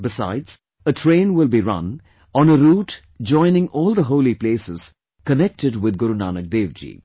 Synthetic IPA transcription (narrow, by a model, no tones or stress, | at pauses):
bɪsa̰ɪdz̥ | əʈʰɾẽːnwɪlˠbiɾʌ̰̃n | ɔ̃nəɾuːʈ | d͡ʒɔ̃ɪ̃nɪ̃ŋʔɔːlˠd̪əɦoːlipleːsɪz̥ | kənɛk̚ʈɪɖwɪd̪ɡʊɾuna̰ːnək̚d̪eːʋd͡ʒḭː